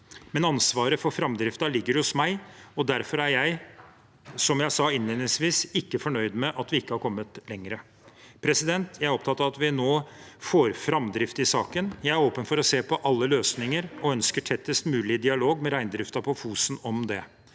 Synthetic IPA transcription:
mɛnɑnsʋɑːɾəfɔɾfɾɑmd̪ɾɪft̪ɑlɪɡːəɾhʊsmæɪɔd̪æɾfɔɾæɾjæɪ | sɔmjæɪsɑɪnleːnɪŋsʋiːsɪkːəfɔɳœʏd̪mɛʔɑt̪ʋɪɪkːəhɑɾkʰɔmːət̪lɛŋːɾə | pʰɾɛsɪd̪ɛnt̪ʰjæɪæɾɔpt̪ɑt̪ːɑʋɑt̪ʋɪnoːfoːɾfɾɑmd̪ɾɪft̪ɪsɑːkənjæɪæɾoːpənfɔɾɔseːpʰɔʔɑlːəløːsnɪŋəɾɔœnskəʈʰɛt̪ːəst̪mʉːlɪd̪ɪɑloːɡmɛɾæɪnd̪ɾɪft̪ɑpʰɔfuːsn̩ɔmd̪ɛ

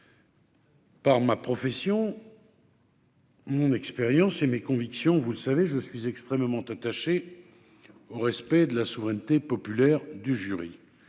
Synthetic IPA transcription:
paʁmapχɔfɛsjɔ̃ | mɔ̃nɛkspeʁjɑ̃semekɔ̃viksjɔ̃vuləsaveʒəsɥizɛkst̪χɛmmɑ̃t̪at̪aʃe | oʁɛspɛd̪əlasuvʁɛnt̪epɔpylɛʁd̪yʒyʁi

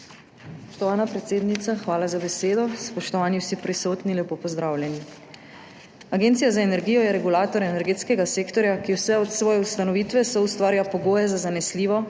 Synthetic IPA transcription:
sspɔʃt̪ɔʋaːnapɾɛt̪seːd̪nit̪saxʋaːlazabɛseːd̪ɔspɔʃt̪ɔʋaːniwsipɾisoːt̪ninljɛpoːpɔzd̪ɾaːwljɛni | aɡeːnt̪sijazaenɛɾɡiːjɔjɛɾɛɡulaːt̪ɔɾɛnɛɾɡeːt̪skɛɡaseːkt̪ɔɾjakiwsɛɔt̪sʋɔːjɛust̪anɔʋiːt̪ʋɛsɔust̪ʋaːɾijapɔɡoːjɛzazanɛsliːʋɔ

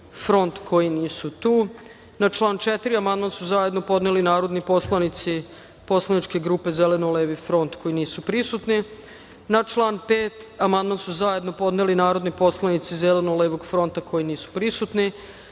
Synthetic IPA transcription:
fɾo̞nt̪kʰo̞jiniːsut̪uː | nat͡ʃlˠaːnt͡ʃet̪iɾiamand̪mansuzaje̞d̪no̞po̞d̪nelinaːɾo̞d̪nipo̞slˠanit̪si | po̞slanit͡ʃke̞ɡɾuːpe̞zelenoleːʋifɾo̞nt̪ko̞iniːsupɾisut̪ni | nat͡ʃlˠaːnpeːt̪amand̪mansuzaje̞d̪nopo̞d̪nelinaːɾo̞d̪nipo̞slˠanit̪sizelenoleːʋoɡfɾo̞nt̪akʰo̞jiniːsu̥pɾisut̪ni

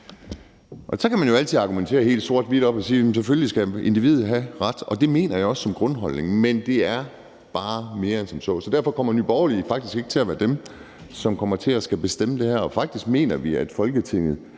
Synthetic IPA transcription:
ʔɒ̽sɒ̽kʰæmænjo̝ælt͡sʰið̩ˠɑ̈ɡ̥ument͡sʰe̝̰ːɐhe̝̰ːld̥so̝ɐ̰d̥ʋid̥ɒ̽b̥ɒ̽si̥ːem̩s̬eføljlisɡ̥æe̝nd̥iʋḭð̩ˠɦæʁad̥ɒ̽d̥e̝me̝̰ːnɐjɑ̈ɒ̽ssɒ̽mɡ̥ʁɔ̽nɦɒ̽l̰ne̝ŋmend̥e̝æɐ | b̥ɑ̈ːme̝ːɐensɒ̽msɒ̰̽ːsɒ̽dæɐ̰fɒ̽kʰɒ̽m̰ɐnyːb̥ɒʊɐlifɑ̈ɡ̥d̥isɡ̥e̝ɡ̥ə̥t͡sʰe̝æʋæːɐd̥em | sɒ̽mkʰɒ̽m̰ɐt͡sʰe̝æsɡ̥æb̥e̝sd̥eməd̥e̝hæɐɒ̽fɑ̈ɡ̥̚d̥isɡ̥me̝̰ːnɐʋiæd̥fɒ̽lɡ̥ət͡sʰe̝ŋ̰ð̞̩ˠ

